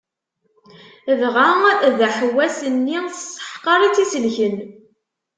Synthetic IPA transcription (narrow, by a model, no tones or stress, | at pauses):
əðʁaðəħwːæsənːiθsə̥ħqɑɾˤit͡sːisəlçən